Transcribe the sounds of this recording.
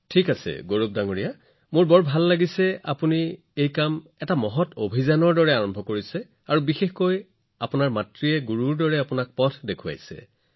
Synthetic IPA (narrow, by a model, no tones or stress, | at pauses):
tʰikasɛ̰ɡoɹup̚daŋoɹija | mʊɹbɔɹbʱalːaɡisɛa̰puni | ejkamɛtamɔɦɔtʰobʱizanɔɹdɔɹɛaɹɔmbʱɔkoɹisɛ | aɹubixexkoj | apʊnaɹmatɹiɛɡuɹuɹdɔɹɛapʊnak̚pɔtʰdekʰua̰jsɛ̰